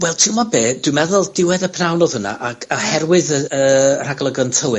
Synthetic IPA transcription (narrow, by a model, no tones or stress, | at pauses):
wɛlˠtʰiwmabeːd̥wɪmɛðʊlˠd̥ɪwɛðəpʰnawnoð̥həna̰ʔaɡahɛrwɨðəəːr̥aɡlˠəɡɔntʰəwɨ